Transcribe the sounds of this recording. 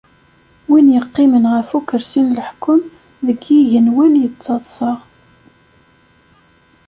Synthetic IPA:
winjəqːɪmənʁəfukːəɾsinləħkːʊm | ðəɡiʝənwænjət͡sːɑðˤsˤəʁ

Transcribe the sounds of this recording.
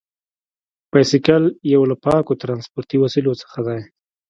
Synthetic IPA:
pajsɪkaljawlapɑkot̪ɾɑnspoɾt̪iwasilot͡sə̥xad̪aj

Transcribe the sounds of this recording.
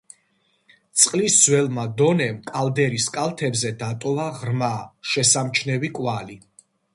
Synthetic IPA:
t̪sʼqʼlisːwɛlˠmad̪ɔnɛmkʼald̪ɛɾiskʼalˠt̪ʰɛbzɛd̪at̪ʼɔlˠaʁɾmaʃɛsamt͡ʃʰnɛvikʼwali

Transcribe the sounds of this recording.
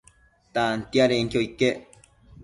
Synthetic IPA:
t̪ant̪iaɾeiŋkʲoike

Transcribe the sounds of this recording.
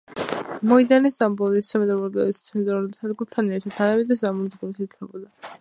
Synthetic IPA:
mɔid̪anɛsambɔlissamɛd̪ɾɛbɔɾd̪ɛ̰lissʰmid̪aɾɔd̪sʰad̪ɡuɾt̪ʰanɛɾt̪ʰad̪̚ʰanamid̪ɛsamɔnzɡuɾisikʰnɛbɔd̪a

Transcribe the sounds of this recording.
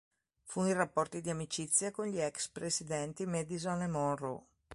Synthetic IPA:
funirapːɔrt̪id̪iamit͡ʃit̪sːjakonʎiɛkspɾesid̪ɛnt̪imɛd̪izɔnemɔnro̰

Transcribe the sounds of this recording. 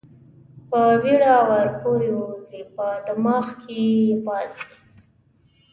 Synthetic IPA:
pəwiɽɑwaɾpoɾeuzipəd̪əmɑxkebɑzi

